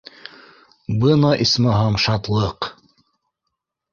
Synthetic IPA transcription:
bɯnɑʔismɑɦɑmʃɑt̪lˠɤq

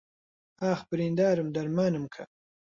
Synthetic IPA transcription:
aːxbəɾind̪aːɾumd̪ɐɾmaːnɨmkʰa̰

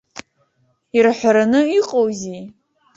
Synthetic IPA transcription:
irħʷaɾanɨiqʼowzi

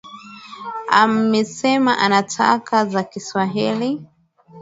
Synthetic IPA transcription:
a̰mɛsɛmaʔanatʰa̰kʰazakiswaɦili

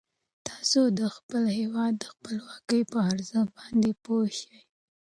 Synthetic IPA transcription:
t̪ɑsod̪əxpəlhewɑd̪ːəxpəlwɑkəjpəaɾzəx̚bɑnd̪epoʃaj

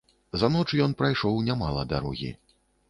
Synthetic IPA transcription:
zanɔt͡ʂjɔnpɾajʂɔwnʲamalˠɐ̰d̪a̰ɾɔ̰ɣʲḭ

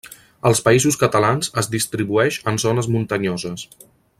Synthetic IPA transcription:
əlˠspəizuskət̪əlanzəzðist̪ɾiβuɛʃənzɔnəzmunt̪əɲɔzəs

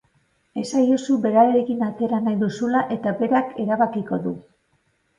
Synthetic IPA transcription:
e̞sajosube̞ɾaɾeɾe̞kinat͡se̞ɾanajðusulaʔe̞t̪abe̞ɾake̞ɾaβakiko̞ðu

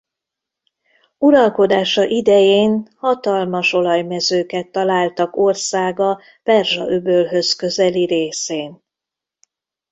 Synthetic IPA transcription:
uɾɒlko̞d̪aːʃɒʔid̪ɛjeːnhɒt̪ɒlmɒʃo̞lɒjmɛzøːkɛt̪ːɒlaːlt̪ɒko̞rsaːɡɒ | pɛrʒɒʔøbølɦø̞skø̞zɛliɾeːseːn

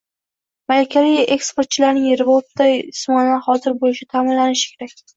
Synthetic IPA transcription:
malekʲʰːavije̞kspoɾt̪̚t͡ʃʰɪlaɾnɪŋɾɪbot̪ʰːajsmɒnaχɒzɪɾbolɪʃɪt̪ʰamɪnlanɪʃɪ̥kʲʰe̞ɾakʲ

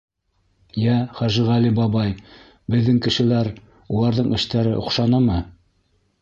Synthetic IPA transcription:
jæχæʒɘʁælibɑβɑj | bɘ̆ðːɘŋkɘ̆ʃɘ̆læɾ | ulˠɑɾðɤɴɘ̆ʃt̪æɾɘʔŏ̰qʃɑnɑmɤ

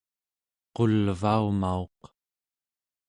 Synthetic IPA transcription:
qo̞lvaumao̞q

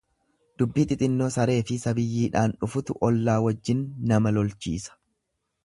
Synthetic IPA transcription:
d̪̥ʊbːiːt̪ʼɪt̪ʼɪnːo̞ːsɐɾe̞ːfɪsɐbɪjːiːᶑaːnᶑʊfʊt̪ʊʔɔlːaːwɐd͡ʒːɪnːɐmɐlɔlt͡ʃḭːsɐ̥

